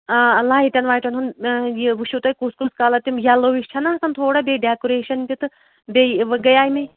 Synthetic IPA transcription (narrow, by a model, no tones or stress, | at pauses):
ɐlaːit̪ʲɐnʋaːjʈɐnunjiʋuʃut̪ɐkuːskuskaːlɐt̪imjaːloːʋiʃt͡ʃʰɐnɐsɐnt̪ʰoːɽabʲeɖɛːkuɾeːʃɐnpʲit̪ɨ | bʲeʋɐɡɐjaːjimɐ